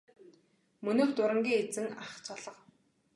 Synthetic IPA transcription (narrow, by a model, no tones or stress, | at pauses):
mɵnoːxt̪ʊɾə̆ŋɡʲiːŋet͡sɘ̆ŋaχt͡sʰɔɮə̆q